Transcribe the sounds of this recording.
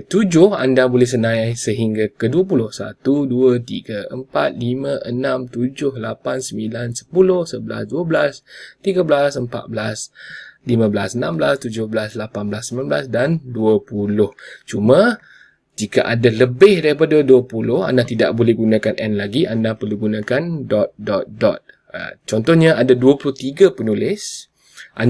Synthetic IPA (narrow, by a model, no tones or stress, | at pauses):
t̪ud͡ʒʊhandabolɛhs̬ənãajsəɦiŋɡakəduəp̬ulʊhsa̰t̪uduət̪ḭɡəəmpat̪̚limə̃ʔənãmt̪ud͡ʒʊhlapansəmilansə̥pulʊhsəbəla̰sduəblast̪iɡabəlasəmpa̰t̪̚bəlaslimãbəlasənambəlast̪ud͡ʒʊhbəlaslapanbəlasəmlanbla̰sdanduəpulʊht͡ʃumã | d͡ʒikaʔadaləbɪhdaɾipadaduəpulʊha̰ndat̪ida̰ʔ̚bolɛhɡunãkanɛnlaɡiʔandahpərluɡunãkandɔt̪̚dɔt̪̚dɔ̰t̪̚ | t͡ʃɔnt̪ɔhɲaadaduəpulʊht̪iɡapənulɪs | ʔa